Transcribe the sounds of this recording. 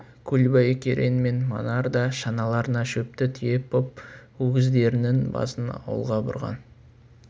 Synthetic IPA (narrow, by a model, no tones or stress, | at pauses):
kʲʰɵlbɑjkʲʰḛɾʔḛnme̞nmo̰nɑɾd̪ɑʃɑnɑlˠɑɾənɑʃɵp̚t̪ɪt̪ʰɪje̞pʰːʊp̚ɵɡʲɪzd̪e̞ɾɪnɪnbɑ̰sənɑ̰wə̰lˠʁɑbʊ̰ɾʁɑ̰n